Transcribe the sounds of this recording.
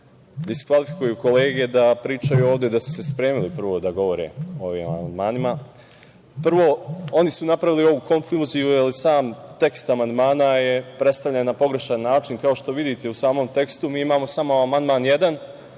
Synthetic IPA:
d̪iskʋalifi̥kujuko̞le̞ːɡe̞d̪apɾiːt͡ʃajuo̞ːʋd̪e̞d̪asu̥se̞spɾe̞ːmilipr̩ʋo̞d̪aɡo̞ʋo̞ɾḛo̞ʋḭma̰ma̰and̪maːnima | pr̩ʋo̞o̞nisunapɾaʋilio̞ʋuko̞nfluziualisaːmt̪e̞kst̪amand̪maːnaje̞pɾe̞t̪st̪aʋlʎenapo̞ɡɾe̞ʃanːaːt͡ʃinkao̞ʃt̪o̞ʋid̪it̪e̞usaːmo̞mt̪e̞kst̪umiːimaːmo̞samoamand̪maːnje̞d̪an

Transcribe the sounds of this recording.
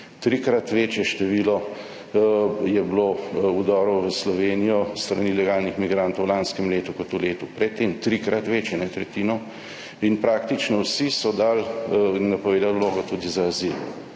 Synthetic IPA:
t̪ɾikɾat̪ʋeːt͡ʃjɛʃt̪ɛʋiːlɔ | jɛbloud̪ɔːɾɔʋəslɔʋeːnijɔst̪ɾanilɛɡaːlnixmiɡɾaːnt̪owlanskɛmleːt̪ukɔt̪uleːt̪upɾɛt̪ːeːmt̪ɾikɾat̪ʋeːt͡ʃjɛnɛt̪ɾɛt̪iːnɔ | inpɾaːkt̪it͡ʃnɔwsisɔd̪alinːapɔʋeːd̪alloːɡɔt̪ud̪izaːzil

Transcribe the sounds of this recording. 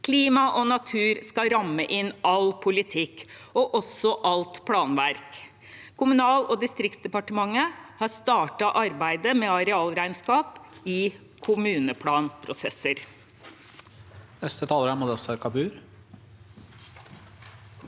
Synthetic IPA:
kʰliːmɑʔɔnɑt̪ʰʉːɾskɑɾɑmːəʔɪnɑlpʰʊlɪt̪ʰɪkːɔʔɔsɔʔɑlt̪pʰɽɑːnʋæɾk | kʰʊmʉnɑːlɔːd̪ɪst̪ɾɪkt̪sd̪ɛpɑʈəmɑŋːəhɑɾst̪ɑːʈɑʔɑɾbæɪd̪əmeːɑɾɛɑːlɾæɪnskɑːpɪ | kʰʊmʉːnəpʰɽɑːnpʰɾʊsɛsəɾ | nɛst̪ət̪ʰɑːləɾæmʊd̪ɛsəɾkʰɑbʉːɾ

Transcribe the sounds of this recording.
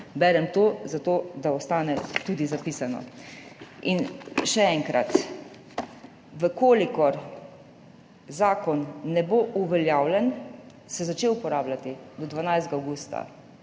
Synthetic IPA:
bɛɾɛmt̪oːzat̪oːd̪aɔst̪aːnɛt̪ud̪izapiːsanɔ̰ | inʃɛɛŋkɾa̰t̪ | ʋəkoːlikɔɾ | zaːkɔnːɛboʔuʋɛljaːwlɛn | sɛzat͡ʃewupɔɾaːblat̪id̪ɔd̪ʋanajszɡawɡuːst̪a̰

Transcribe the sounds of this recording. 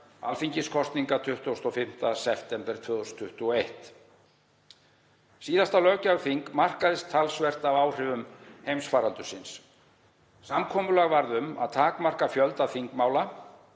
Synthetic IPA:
a̰lfiɲcɪskʰɔst̪niŋkat̪ʰʏht̪ʊst̪ɔfɪm̥t̪asɛft̪ɛmpɛɾ̥t̪ʰvœːðɔst̪ʰʏht̪uɔejht̪ | siːðast̪alœɣcavfiŋkmar̥kaðɪst̪ʰːalsvɛr̥t̪avaːwr̥ɪvʏmhejmsfaːɾalt̪ʏsɪns | samkʰɔːmʏlaɣvaɾðʏma̰ðt̪ʰaːkmar̥kafjœlt̪aðfiŋkmaːwla

